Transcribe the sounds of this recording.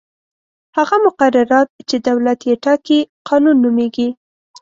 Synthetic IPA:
haɣamʊqaɾaɾɑt̪̚t͡ʃed̪awlat̪jeʈɑkiqɑnunːumeɡi

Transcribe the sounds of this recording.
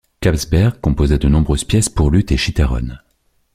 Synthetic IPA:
kabzbɛʁɡkɔ̃pozɛd̪ənɔ̃bʁøz̥pjɛspuʁlyt̪eʃit̪eʁɔ̰n

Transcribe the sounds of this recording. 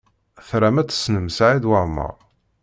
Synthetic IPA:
θɾæmæt͡sːə̥snəmsʕid̪waɾmə̰ʁˤ

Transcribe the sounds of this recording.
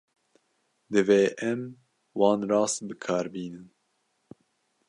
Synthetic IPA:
d̪ɨveːʔɛm | wɑːnɾɑːst̪̚bɨkʰɑːɾbiːnɨn

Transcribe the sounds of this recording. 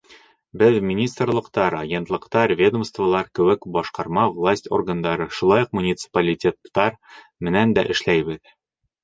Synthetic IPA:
bɘðmʲɪnʲist̪rlˠɤ̆qt̪ɑɾɐɡʲe̞nt̪lˠɤ̆qt̪ɑɾvʲe̞d̪ŏmst̪vəlˠɑɾkɵ̆wɘkbɒʃqɑɾmɑvlˠasʲtʲo̞̰rɡənd̪ɑɾɤʃulˠɑjuq̚munʲit̪sɨ̥pɐlʲitʲet̪ːɑɾ | mɘ̆nænd̪æ̰ʔɘ̆ʃlæjbɘð

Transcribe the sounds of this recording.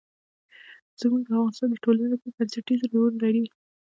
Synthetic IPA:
z̥əmuɡawɑnsəd̪əʈolanepəbansaʈizɾounlaɾi

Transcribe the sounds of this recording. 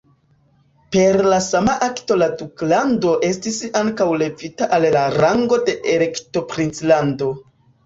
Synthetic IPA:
pe̞ɾlasamaʔakto̞laduklando̞ʔe̞stisaŋkawle̞vitaʔallaɾaŋɡo̞de̞ʔeɾe̞kto̞pɾint͡slando̞

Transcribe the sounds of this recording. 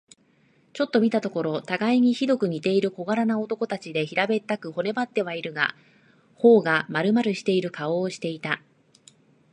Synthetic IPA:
t͡ɕo̞t̪ːo̞mʲit̪at̪o̞ko̞ɾo̞t̪aɡaiɲ̟içid̪o̞kɯ̟ɲ̟it̪e̞iɾɯ̟ko̞ɡaɾanao̞t̪o̞ko̞t̪at͡ɕid̪e̞çiɾabe̞t̪ːakɯ̟ho̞ne̞bat̪ːe̞βaiɾɯ̟ɡa̰ | ho̞ːɡamaɾɯ̟maɾɯ̟ɕi̥t̪e̞iɾɯ̟kʰao̞ːɕi̥t̪e̞it̪a

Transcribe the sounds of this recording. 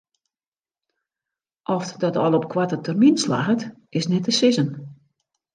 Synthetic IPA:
ʔɔfdɔtɔlˠɔp̚kʰwatətʰərminsla̰xətʔɪsnɛtəsɪzən

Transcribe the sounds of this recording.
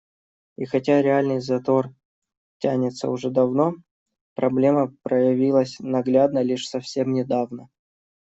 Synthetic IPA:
ixɐtʲaɾʲɪalʲnɨjzɐt̪o̞r | tʲːænʲɪt̪sə̰ʊʐɛd̪ɐvno̞ | pɾɐblʲeməpɾəjɪvʲilˠəsʲnɐɡlʲad̪nəlʲiʂsɐfsʲe̞mnʲɪd̪avnə

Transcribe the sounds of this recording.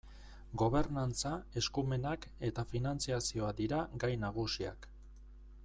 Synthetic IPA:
ɡo̞β̞e̞ɾnant͡sae̞skume̞nake̞t̪afinant͡siasio̞ad̪iɾaɡajnaɣ̞usia̰k

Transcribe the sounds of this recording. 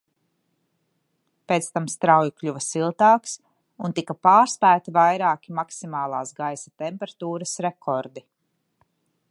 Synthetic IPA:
peːt̪st̪amst̪ɾawjiklʲuvɐsilˠt̪aːks | unt̪ikɐpaːɾspæːt̪ivajɾaːkimaksimaːlˠaːsɡajsat̪ɛmpɛɾat̪uːɾɐsɾekʰɔɾd̪i

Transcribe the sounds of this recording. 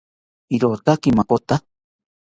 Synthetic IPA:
iɾot̪akimakot̪a

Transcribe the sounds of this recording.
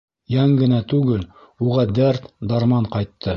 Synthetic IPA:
jɑŋɡɘ̆næt̪ʉɡɘl | uʁɑd̪æɾt̪d̪ɑɾmɑɴqɑjt̪ʰːɤ

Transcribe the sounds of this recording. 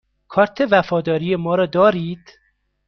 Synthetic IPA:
kʰɒːɾt̪ʰevæfɒːd̪ɒːɾijemɒːɾɒːd̪ɒːɾiːd̪̥

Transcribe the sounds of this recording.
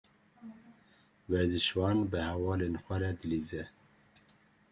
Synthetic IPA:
wɛɾzɨʃwɑːnbəhɛwɑːlenxʷɛɾɛd̪ɨliːzɛ

